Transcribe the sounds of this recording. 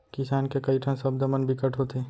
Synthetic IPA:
kɪsaːnkekɐiʈʰɐ̃nsɐb̚d̪ɐmənbɪkəʈʰɦot̪eː

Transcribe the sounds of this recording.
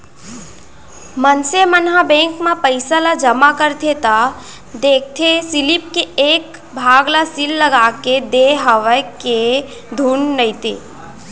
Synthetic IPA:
mənsemənɦabẽːŋkmãpəɪsalad͡ʒəmakəɾt̪ʰet̪a | d̪eːk̚ʰt̪ʰẽsɪlip̚keeːk | bʱaːɡlasɪlːəɡaːked̪eɦəʋəke | d̪ʱuːnːəɪt̪ḛː

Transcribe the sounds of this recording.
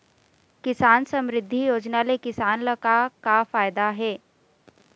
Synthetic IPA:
kɪsaːnsɐmɾɪd̪ʱːijoːd͡ʒnalekɪsaːnlɐkakafaːjd̪aɦɛː

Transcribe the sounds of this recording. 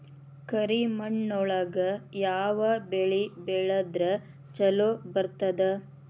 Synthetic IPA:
kɐɾimɐɳːɔɭɐɡɐjaːʋɐbeɭibɛɭɐd̪ɾɐ | t͡ʃɐlobɐɾt̪ɐd̪e

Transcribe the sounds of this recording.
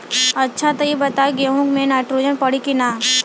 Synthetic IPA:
ɐtːʃʰat̪ɐibɐt̪aɡeɦũkmẽnaːʈɾod͡ʒənpɐɽ̤ikinaː

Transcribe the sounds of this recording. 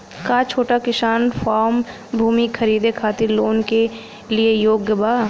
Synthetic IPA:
kat͡ʃʰoːʈakɪʃaːnfʰaːɾm | bʱuːmikʰɐɾiːd̪ekʰaːt̪ɪɾloːnke | liejoːɡjəbaː

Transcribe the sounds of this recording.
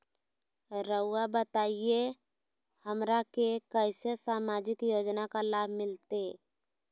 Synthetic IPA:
ɾəʊabət̪aie | həmɾakekəɪsesamad͡ʒɪkjod͡ʒnakalabʱmɪlt̪e

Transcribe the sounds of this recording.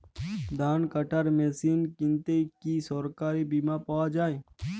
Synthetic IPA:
d̪ʱaːnkəʈaɾmeːsiːnkɪnt̪ekisɔɾkaːɾibimapaʋad͡ʒaːe

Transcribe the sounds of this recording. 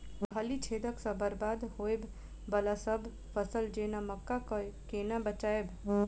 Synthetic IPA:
kʰəlit͡ʃʰed̪əksə̃bəɾbaːd̪hoeb | bəlasəbʱ | fəsəld͡ʒenaməkːakəkenabət͡ʃaeb

